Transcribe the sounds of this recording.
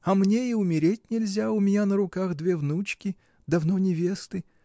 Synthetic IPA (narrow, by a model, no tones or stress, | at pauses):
ɐmnʲeiʊmʲɪɾʲetʲnʲɪlʲzʲaʊmʲɪnʲanəɾʊkaɣd̪vʲevnut͡ɕkʲɪ | d̪ɐvnonʲɪvʲest̪ɨ